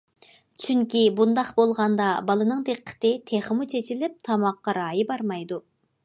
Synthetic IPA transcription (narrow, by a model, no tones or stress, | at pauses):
t͡ʃʰyŋkʲibund̪ɑqbolˠʁɑnd̪ɑbɑlˠɨnɨŋd̪eqʰːə̥t̪ɪt̪ʰeχəmut͡ʃʰet͡ʃʰilɪp̚t̪ʰɑmɑqːɑɾɑːjɨbɑɾmɑjd̪u